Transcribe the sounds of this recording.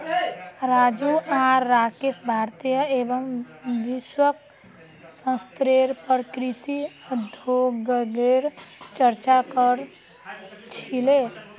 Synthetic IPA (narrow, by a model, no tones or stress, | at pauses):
ɾad͡ʒuʔaːakesbʱaɾt̪ijəebəm | ʋiswək̚ | sə̃st̪ɾeɾpəɾkɾisiəd̪ʱoɡəɡeɾt͡ʃəɾt͡ʃakəɾ | t͡ʃʰile